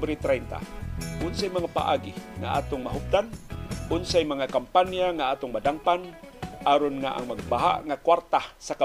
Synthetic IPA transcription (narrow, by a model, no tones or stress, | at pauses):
bɾit̪ɾajnt̪a̰ʔʊnsajmaŋapa̰ʔa̰ɡiŋa̰ʔa̰t̪ʊŋmaɦʊp̚d̪anʔʊnsajmaŋakampanjaŋaat̪ʊŋmadaŋpanʔaɾʊnŋaʔa̰ŋmaɡ̚baɦa̰ʔŋakwaɾt̪asaka